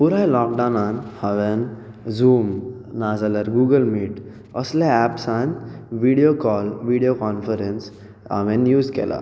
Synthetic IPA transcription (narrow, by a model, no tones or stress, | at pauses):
puɾajlɔk̚ɖãwnanhəʋen | zuːm | nad͡zaləɾɡuːɡəlmiːʈ | əslaæpsanʋiɽijokɔlʋiɽijokɔnfəɾens | ɦa̰ʋẽnjuːd͡zkḛla̰